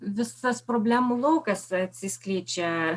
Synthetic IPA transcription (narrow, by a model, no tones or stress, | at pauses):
ʋʲɪsɐspɾobʲlʲæmʊlˠoʊkɐsɐt̪ʲsʲɪsʲkʲlʲiːt͡ʃʲɛ